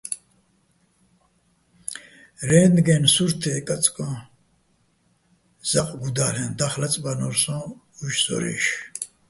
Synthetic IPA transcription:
ɾɛːnɡɛnsuɾt̪ʰɛkʼat͡sʼkʼɔ̃ | z̥aqʼɡud̪alɛnd̪aχlat͡sʼbanɔɾsɔ̃ | uʃsɔ̰ɾɛ̰ʃ

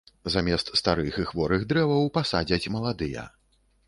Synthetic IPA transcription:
zamʲɛst̪st̪aɾɨxɨxvɔɾɨɣd̪ɾɛvɐwpasad͡zʲɐt͡sʲmɐlˠad̪ɨjɐ̰

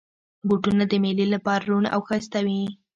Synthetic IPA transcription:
buʈunad̪əmelilapɑɾaɾuna̰wxəst̪awi

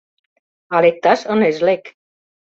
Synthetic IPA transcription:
ɑlek̚t̪ɑʃənezlek

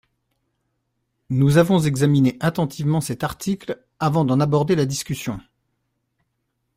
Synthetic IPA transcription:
nuzavɔ̃zɛɡzamineʔat̪ɑ̃t̪ʰivmɑ̃sɛt̪aʁt̪ikl | avɑ̃d̪ɑ̃nabɔʁd̪elad̪iskʲysjɔ̃

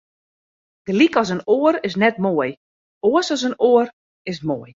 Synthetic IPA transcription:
d̥əlikɔs̬ənoəɾɪs̬nɛt̚moəj | oəsɔs̬ənoər | ɪs̬moəj

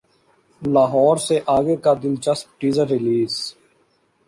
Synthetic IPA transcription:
laːɦɔːɾseʔaːɡekaːd̪ɪlt͡ʃəsp̚ʈiːzəɾːɪliːz

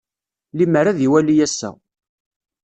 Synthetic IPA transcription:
liməɾæðiwælijæsːæ̰

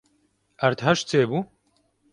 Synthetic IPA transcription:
ɐɾt̪ɦɐʃt͡seːbu

